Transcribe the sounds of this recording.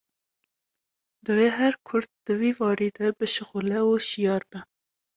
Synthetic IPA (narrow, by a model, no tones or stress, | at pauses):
d̪ɨveːɦæɾkʰʊɾd̪̚d̪̥ɨwiːvɑːɾiːd̪ɛbɨʃɪɣulɛuʃijɑːɾbɛ